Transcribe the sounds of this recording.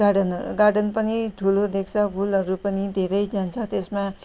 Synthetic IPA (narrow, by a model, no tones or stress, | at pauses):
aɖʌnɡaɾɖʌnpʌniʈʰulod̪ekʰt͡sʰʌbʱulʌɾupʌnid̪ʱeɾʌjd͡zant͡sʰʌt̪esma